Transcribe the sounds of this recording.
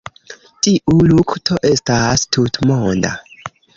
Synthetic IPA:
tiʔuluktʰo̞ʔe̞stastʰutmonda̰

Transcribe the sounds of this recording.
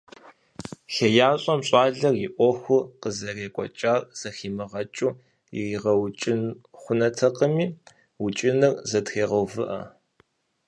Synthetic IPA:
ɬejaːɕʼɔmɕʼɑːɮɐrjɪʔʷɔxʷʊqəzɐreːkʷʼɔ̰t͡ʃʼaːrz̥ɐxiːmɨʁɐt͡ʃʼuː | jɪ̰iːʁɐwt͡ʃʼɪnχʷʊnɐtʰɐqəmiː | wʊt͡ʃʼɪnɨrzɐtxeːʁɐwvɨʔɐ̰

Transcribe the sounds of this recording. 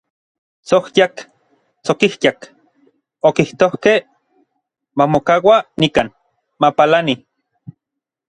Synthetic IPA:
t͡sohjak | t͡sokihjak | okiht̪ohke | mamokawanikan | mapalani

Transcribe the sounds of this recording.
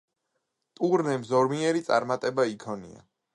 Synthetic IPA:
t̪ʼuɾnɛmzɔɾmiɛɾit̪sʼa̰ɾmat̪ʼɛbaikʰɔnḭa̰

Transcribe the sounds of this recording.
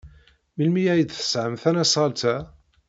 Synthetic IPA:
milmijæjd̪θə̥sʕəmθænæsˤʁɑlt̪æ

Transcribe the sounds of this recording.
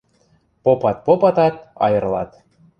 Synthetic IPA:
popɑt̪̚popɑt̪ɑt̪̚ɑ̰jɤ̆rlˠɑ̰t̪

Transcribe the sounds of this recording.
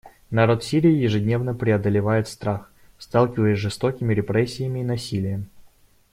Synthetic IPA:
nɐɾo̞t̪fsʲiɾʲɪjːɪjɪʐɨdʲnʲe̞vnəpɾʲɪɐd̪əlʲɪvajɪt̪st̪ɾax | st̪alˠkʲɪvəjɪsʲʐɨst̪o̞kʲɪmʲɪɾʲɪpɾɛsʲːɪjəmʲɪːnɐsʲilʲɪjə

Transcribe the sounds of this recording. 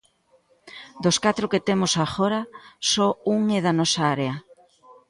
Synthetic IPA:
d̪oskat̪ɾʊket̪emosaxoɾɐsouŋeðɐnɔsaaɾeɐ

